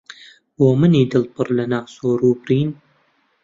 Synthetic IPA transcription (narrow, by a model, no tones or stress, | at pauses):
wɔmɨniːd̪ɨlpɨɾlɐnaːsoːɾuːbɾiːn